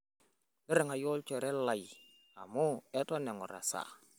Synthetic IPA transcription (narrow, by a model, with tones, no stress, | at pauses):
lɪ˦ɾɪ˨ŋa˨jɔ˦lt͡ʃɛ˨ɾɛ˦la˨j | a˨mu˦ɛ˦tɔ˦nɛ˨ŋɔ̰˨ɾa̰˨sa̰˨